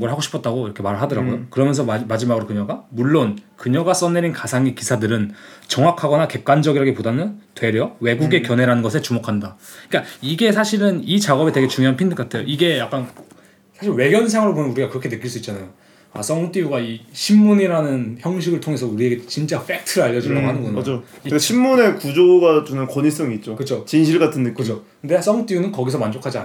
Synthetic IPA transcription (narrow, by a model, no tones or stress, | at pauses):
ɡɾɭɦaɡoɕʰi̥pʰʌt̚t͈aɡoiɾʌkʰe̞maɾɭɦadʌɾaɡojokɯɾʌmjʌns̬ʰʌamad͡ʑimaɡɯɾokɯɲʌɡamuɭːonkɯɲʌɡas͈ʌnːeɾinkasʰaŋekisʰadɯɾɯnt͡ɕʌŋakʰaɡʌnake̞p̚k͈wand͡ʑʌɡiɾaɡepodanɯntwe̞ɾjʌwe̞ɡuɡe̞kjʌne̞ɾanɯnɡʌsʰe̞t͡ɕumokʰandaik͈aiɡe̞sʰaɕʰiɾɯnit͡ɕaɡʌbe̞teɡet͡ɕuŋjoɦanpʰindɯk͈atʰe̞joiɡe̞jak͈an | sʰaɕʰiɭwe̞ɡjʌns̬ʰaŋɯɾopomnuɾiɡakɯɾʌkʰe̞nɯk͈iɭs͈uitt͡ɕ͈anajo | as͈ʌŋt͈ijuɡaiɕʰimːuɲiɾanɯnçjʌŋɕ̬ʰiɡɯɭtʰoŋe̞s̬ʰʌuɾie̞ɡe̞t͡ɕint͡ɕ͈af͈ek̚tʰɯɾaʎːʌd͡ʑindaɡoɦanɯnɡʌnad͡ʑo | ɕʰimːune̞kud͡ʑoɡat͡ɕonɯnkwʌɲis͈ʌŋiːt̚t͡ɕ͈okɯt͡ɕʰot͡ɕinɕʰiɭɡatʰɯndɯkʰɯokɯnde̞as͈ʌŋt͈ijunɯnkʌɡisʰʌmand͡ʑokʰad͡ʑia̰n